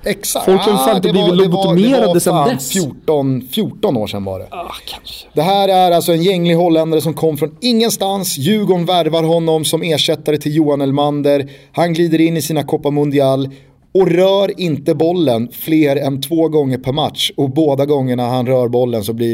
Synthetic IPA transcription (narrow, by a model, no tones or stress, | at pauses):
ɛksafɔlksɔfaɾɪt̪əɛblivɪlʊb̪meːɾad̪əɛnɛfjuːɔnfjuːʈɔnoːʂɛ̰nvɑ̰ɖɛ̰ | d̪ɛɦæːɾæɾalsɔɛnjɛŋːlɪɡɦɔlːɛnd̪aɾəs̬ɔmkʰɔmːfɾɔnɪŋːənst̪ansjʉ̟ːɡɔɳvæɾvaɾɦɔnːɔmsɔmeːʂɛt̪ːaɾət̪ʰɪljuːanɛlmand̪əɾ | hanɡliːd̪əɾɪnːɪsiːnakʰɔpːamɵnd̪ɪalː | ɔɾœːɾɪnt̪əbɔlːənfleːɾɛnt̪ʰvoːɡɔŋːəɾpʰæɾmat̪ʂɔboːd̪aɡɔŋːəɳahanɾœːɾbɔlːənsɔbli